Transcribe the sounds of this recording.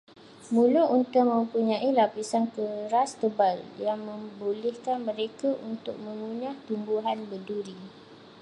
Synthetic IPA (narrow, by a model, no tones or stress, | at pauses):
mũluunt̪ʊʔmə̃mpuɲãʔilapisankəɾast̪əbaljaŋmə̃mbulɛhkanmə̃ɾekaʔunt̪ʊk̚mə̃ŋuɲaht̪umbuɦanbəduɾi